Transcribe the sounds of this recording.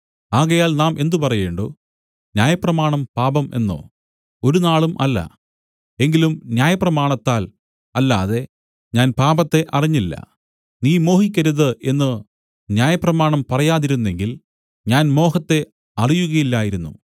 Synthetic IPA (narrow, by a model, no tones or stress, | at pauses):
aːɣɐjaːlnaːmʔe̞nd̪upɐrɐje̞ːɳɖo̰ː | njaːjɐprɐmaːɳɐmpaːbɐme̞̰nːo̞̰ː | oɾunaːɭumʔɐlːɐ̰ | e̞ŋɡilumnjaːjɐprɐmaːɳɐt̪ːaːl | ɐlːaːðe̞ | ɲaːnpaːbɐt̪ːe̞ʔɐriɲːilːɐ̰ | niːmo̞ːhikʲːɐɾuðɨʔe̞nːɨ | njaːjɐprɐmaːɳɐmpɐrɐjaːðiɾunːe̞ŋɡil | ɲaːnmo̞ːɦɐt̪ːe̞ | ɐrijuɣɐjilːaːjiɾunːṵ